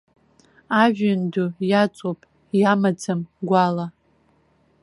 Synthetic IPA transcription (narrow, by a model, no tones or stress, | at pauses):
aʒᶣandujat͡sʼopʼ | jamat͡sʰɨmɡʷala